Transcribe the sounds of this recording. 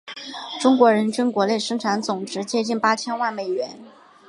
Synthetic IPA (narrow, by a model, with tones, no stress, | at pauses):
ʈ͡ʂʊ˥ŋkwɔ˧˥ɻə˧˥nt͡ɕy˥nkwɔ˧˥le˥˩ɪʂɤ˥ŋʈ͡ʂʰa˧˥nt͡sʊ˨˩ŋʈ͡ʂɻ̩˧˥t͡ɕjɛ˥t͡ɕi˥˩npa˥t͡ɕʰjɛ˥nwa˥˩nme˨˩ɪɥɛ˧˥n